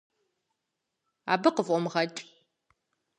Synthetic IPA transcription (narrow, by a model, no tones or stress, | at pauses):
a̰ːbɨqəvʔʷɔmʁɐt͡ʃʼ